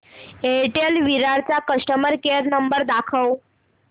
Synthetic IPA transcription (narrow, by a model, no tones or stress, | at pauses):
eʈelʋiɾaɾt͡sakəsʈəməɾkeɾnəmbəɾd̪akʰəw